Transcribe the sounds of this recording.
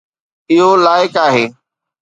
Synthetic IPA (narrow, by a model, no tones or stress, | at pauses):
ɪɦolaːɪkaːɦeː